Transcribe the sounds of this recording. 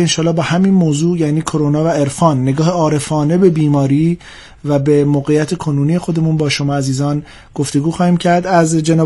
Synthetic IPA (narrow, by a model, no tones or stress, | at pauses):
enʃɒːlːɒːbɒːhæmiːnmoːzuːjæːniːkʰoɾonɒːvæe̞ɾfɒːnːe̞ɡɒːheɒːɾe̞fɒːne̞be̞biːmɒːɾiː | væbemoːɣejːæt̪ʰe̞kʰonuːnije̞xo̞d̪e̞munbɒːʃo̞mɒːæziːzɒːn | ɡ̥o̞ft̪e̞ɡuːxɒːhiːmcʰæɾd̪æzd͡ʒe̞nɒː